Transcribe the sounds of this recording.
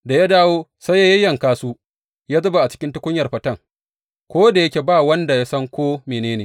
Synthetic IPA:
da˨ja˦daː˦woː˦sa˦ja˦jɐ˦jɐ˨ŋkaː˦suː˦ | jaː˦zɐ˦ba˨ʔa˨t͡ʃɪ̥˦kʲɪ˦ntɪ˦kʷʊ˦ɲjɐ˨rɸɐ˦tɐ˦˨ŋ | kʷoː˦da˨jɐ˦kʲeː˨baː˦˨wɐ˦nda˨ja˦sɐ˦ŋkʷoː˦meː˨neː˦neː˨

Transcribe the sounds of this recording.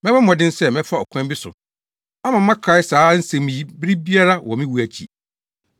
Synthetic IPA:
mɛ̃˦bɛ̃˦ɔ̃˨dɪ̃˦n˦sɛ˦mɛ̃˦fa˦ɔ˨kʰã˦m˦bɪ˦sʊ̰˨ | a˦mã˨mː˦ã˦kʰɾa˨ɪ˦saː˨˦n̩˦sɛ̃˨mĩ˨ji˦bɪ˦ɾi˦bi˦a˦ɾa˦wɔ˨mɪ̃˦wu˨˦æ˨t͡ɕʰḭ˨

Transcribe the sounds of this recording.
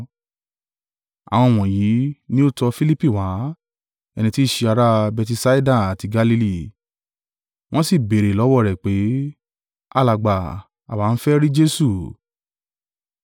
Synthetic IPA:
a̰˨w̃ɔ̃˧˨w̃ɔ̃˨ji˨˦nĩ˦o˦tɔ˧fi˦li˦pi˦˨wa˨˦ | ɛ˧nĩ˧ti˦˨ʃe˧a˧ɾa˦bɛ˧ti˧sa˦i˦da˦˨a˨ti˧ɡa˧li˧li˦˨ | w̃ɔ̃˦si˦˨be˨ɾe˨lɔ˨˦wɔ˦˨ɾɛ˨k͡pe˨˦ | a˦˨la˨ɡ͡ba˨ | a̰˨wa˨˦n̩˦fɛ˦ɾi˦d͡ʒe˦su˦˨

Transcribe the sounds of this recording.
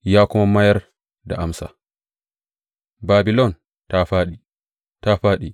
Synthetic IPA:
jaː˦kʊ˦mama˦jɐ˦ɾ | da̰˨ʔa˨msa̰˨ | baː˨bi˨lɔ˦n | taɸaː˦ɗi˨ | ta˦ɸaː˦ɗi˨

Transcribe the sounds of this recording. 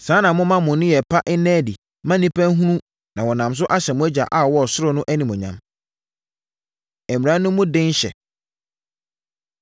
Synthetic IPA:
sãː˨˦nã˨mʊ̃˦mã˦mʊ̃˨nʊ̃˦jɛ˨pʰa˦ʔɪ˦nɛ̃ː˦di˨ | mã˦nĩ˦pʰæ̃˦n˦ɦũ˦nũ˦ | nã˨wɔ˨nã˨ms̬ʊ˦ʔa˦ɕɛ˨mʊ̃˦æ˦d͡ʑa̰˨ʔa˦˨wɔ˦ɔ˨sʊ˦ɾʊ˦nʊ̃˦ʔæ˦nĩ˨mʊ̃˨ɲã̰˨m | ɛ˨mi˨ɾã˨˦nʊ̃˦mːʊ̃˦dɪ̃˦n˦ɕɛ̰˨

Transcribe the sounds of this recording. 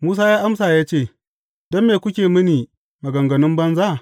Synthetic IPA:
muː˦saː˦jaː˦ʔa˦msaː˨jaː˦t͡ʃeː˦˨ | dɔ˦mːeː˨kʷʊ˦kʲeː˨mɪ˦niː˨ | ma˨ɡɐ˨ŋɡɐ˨nɪ˦mbɐ˦nza˦˨

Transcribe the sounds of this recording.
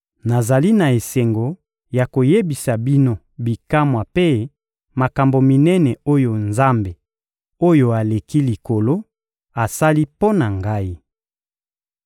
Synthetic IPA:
na˨za˨li˦na˨e˨sɛ˨ŋɡo˨ | ja˨ko˨je˦bi˨sa˨bi˦no˦ | bi˨ka˦mwa˨pe˦ | ma˨ka˨mbo˨mi˨nɛ˦nɛ˨o˦jo˨nza˦mbe˨ | o˦jo˨a˨le˨ki˦li˨ko˨lo˦ | a˨sa˦li˦po˦na˨ŋɡa˦i˦

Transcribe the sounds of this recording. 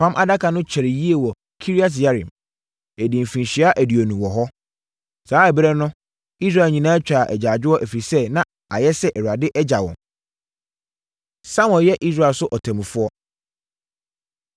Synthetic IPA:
pʰã˦mʔa̰˦da˦kʰa˨nʊ̃˦t͡ɕʰɛ˨ɾɪ˨ji˦e˨wɔ˨ | kʰi˦ɾi˦a˦t̬ja˦ɾḭ̃˨m | æ˨dĩ˨m˨fĩ˨n˨ɕi˨a˦ʔæ˨di˨o˨nũ˨wɔ˨ɦɔ˦ | saː˨˦ɛ˨bɾɛ˦nʊ̃˦ | i˦s̬ɾa˦˨ɲĩ˨nãː˦t͡ɕᶣa˨ʔɛ̰˨d͡ʑaː˨d͡ʑᶣɪ˦ɔ˦ʔæ˨fɾi˨sɛ˦nã˨ | a˨jɛ˦sɛ˦ʔɛ˨wu˨a˨dɪ˦ʔɛ˦d͡ʑa˨wɔ̰̃˨m | sa˦mɔ̃˨jɛ˦ʔi˦s̬ɾa˦˨ɛ˨sʊ˦ʔɔ˨tʰã˨mũ˨fʊ˦ɔ˦

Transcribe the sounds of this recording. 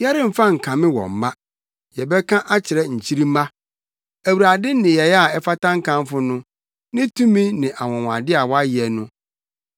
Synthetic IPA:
jɛ˦ɾɪ̃˦m̩˨fa˦ŋ̩˨kʰã˨mɪ̃˦wɔ̰̃˨m̩˨mã˦ | jɛ˨bɛ˦kʰã˦ʔa˦t͡ɕʰɪ˨ɾɛ˦ɲ̩˨t͡ɕʰi˦ɾi˦mã˦ | æ˨wu˨ɾa˨dɪ˦nɪ̃˨jɛ˨jɛ˦a˨ɛ˦fa˦tʰã˦ŋ̩˦kʰã˦m˦fʊ˦nʊ̃˦ | nɪ̃˦tʰũ˦mĩ˦nɪ̃˨ʔa˨wɔ̃˨w̃a̰˨dɪ˦a˨wɔ˦a˦jɪ˨ɛ˨nʊ̃˦

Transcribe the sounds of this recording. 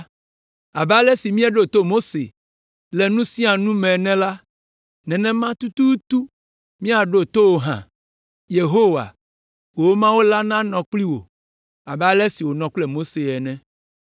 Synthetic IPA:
a˨ba˦lɛ˦si˨mĩ˦a˦ɖo˦˨t̪o˦mo˦sḛ˨ | lɛ˨nũ˦sĩ˦a˨nũ˦mɛ̃˨nɛ̃˦la˦ | nɛ̃˨nɛ̃˦mã˦t̪u˦t̪u˦t̪u˦ | mĩ˦a˨ɖo˦t̪o˦wo˨ɦã̰˨ | je˨ɦo˦wa̰˨ | wo˨wo˦mã˦wo˦la˦nã˦nɔ̃˨k͡pli˦wo̰˨ | a˨ba˦lɛ˦si˨wo˨nɔ̃˨k͡plɛ˦mo˦se˨ɛ˨nɛ̃˨

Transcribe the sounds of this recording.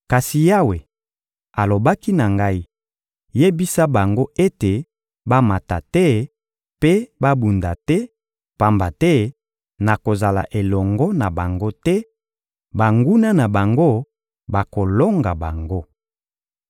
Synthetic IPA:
ka˨si˨ja˦we˨ | a˨lo˨ba˦ki˦na˨ŋɡa˦i˦ | je˦bi˦sa˦ba˨ŋɡo˦e˦te˨ | ba˦ma˨ta˨tɛ˦ | pe˦ba˦bu˨nda˨tɛ˦ | pa˨mba˨tɛ˦ | na˨ko˨za˨la̰˨ʔe˨lɔ˨ŋɡɔ˦na˨ba˨ŋɡo˦tɛ˦ | ba˨ŋɡu˦na˦na˨ba˨ŋɡo˦ | ba˨ko˨lɔ˦ŋɡa˨ba˨ŋɡo˦

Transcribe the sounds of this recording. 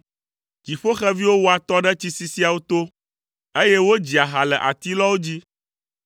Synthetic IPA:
ki˨ɸo˦xɛ˦vi˦wo˦wo˦a˨t̪ɔ˦ɖɛ˦t͡ɕi˦si˦si˦a˨wo˦t̪o˦ | e˦je˦wo˦d͡ʑi˨a˨ɦa˨lɛ˨ʔa̰˨t̪i˦lɔ˦wo˦d͡ʑi˦

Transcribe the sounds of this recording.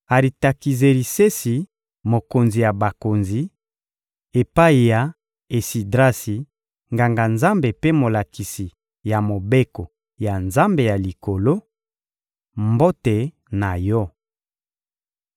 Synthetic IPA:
a˨ɾi˨ta˨ki˨ze˨li˨se˦si˨ | mo˨ko˨nzi˨ja˨ba˨ko˨nzi˨ | e˨pa˦i˨ja˨ | e˨si˨dʁa˦si˨ | ŋɡa˨ŋɡa˨nza˦mbe˨pe˦mo˨la˨ki˨si˨ | ja˨mo˨be˦ko˨ | ja˨nza˦mbe˨ja˨li˨ko˨lo˦ | mbo˦te˨ | na˨jɔ˦

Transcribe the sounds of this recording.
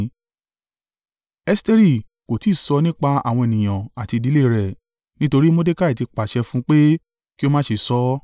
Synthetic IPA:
ɛ˧ste˧ɾi˦˨ | ko˨ti˨˦˨sɔ˧˦nĩ˦k͡pa˧a̰˨w̃ɔ̃˧e˨nĩ˨j̃ã˨a˨ti˧di˨˦le˦˨ɾɛ˨ | nĩ˦to˧ɾi˦mo˦de˦ka˦˨i˨ti˨˧k͡pa˨ʃɛ˧fũ˦k͡pe˦ | ki˦o˧mãː˦ʃe˧sɔ˨˦

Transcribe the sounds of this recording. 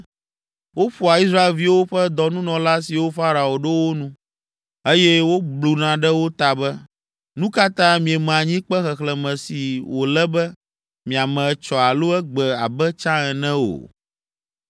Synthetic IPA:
wo˦ɸu˨a˨i˦s̬ɾa˦e˨lvi˦wo˦ɸɛ˦d̪ɔ˨nũ˦nɔ̃˨la˦si˨wo˦fa˦ɾa˨o˨ɖɛ˦wo˦nũ˦ | e˦jɛ˦wo˦blu˨nã˨ɖɛ˦wo˦t̪a˨bɛ˦ | nũ˦ka˦t̪ã˦mĩ˨ɛ˨m̃˨a˨ɲĩ˦k͡pɛ˦xɛ˨xlɛ˨mɛ̃˨si˨wo˨lɛ˦bɛ˦ | mĩ˨a˨mɛ̃˨ɛ˨t͡ʃɔ˨a˨lo˦ɛ˦ɡ͡bɛ˨a˨bɛ˦t͡ʃã˦ɛ˨nɛ̃˦o̰˨

